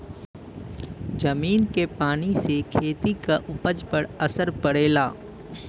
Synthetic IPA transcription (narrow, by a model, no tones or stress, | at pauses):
d͡ʒɐmiːnkepaːnisekʰeːt̪ikaʔʊpəd͡ʒpəɾɐsəɾpɐɽeːlaː